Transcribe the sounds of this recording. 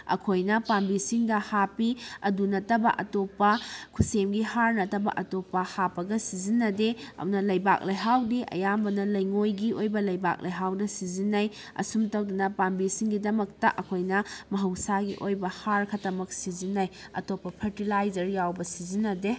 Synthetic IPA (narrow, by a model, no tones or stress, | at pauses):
ɐ̰kʰojnɐpambisiŋdɐhapiɐdunɐtɐbɐ̰ʔɐtopːɐkʰusemɡihaɾnɐtɐbɐ̰ʔɐtopːɐhapɐɡɐsizinːɐdeɐ̰nɐlɐjba̰k̚lɐjɦawdiʔɐ̰jambɐnɐlɐjŋojɡiojbɐlɐjba̰k̚lʔɐjɦawdɐsizinːɐj | ɐ̰sumtɐwdunɐpambisiŋɡidɐmɐk̚tɐ̰ʔɐkʰojnɐmɐɦɐwsaɡiʔojbɐhaɾkʰɐtɐmɐk̚sizinːɐjɐ̰topːɐpʰɐɾtilajzɐɾjawbɐsizinːɐde